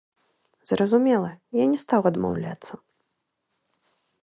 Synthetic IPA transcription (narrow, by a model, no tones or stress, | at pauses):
z̥rɐzumʲɛlˠɐjanʲɛst̪awɐd̪ma̰wlʲa̰t̪sːɐ